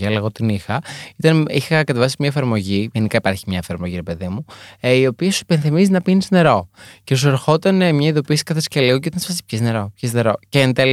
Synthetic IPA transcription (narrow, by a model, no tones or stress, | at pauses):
ɐleɣo̞t̪inixɐit̪ɐnixɐkɐt̪evɐsimɲɐefɐɾmo̞ʝiʝenikɐipɐɾçimɲɐefɐɾmoʝiɾe̞pe̞ðimuio̞piɐsuipenθimizinɐpinizne̞ɾo̞ce̞s̬ueɾxo̞t̪ɐnmɲɐiðo̞piɐsi̥kɐθesceliɣocit̪nsfɐsiçezne̞ɾo̞pçezne̞ɾo̞cent̪el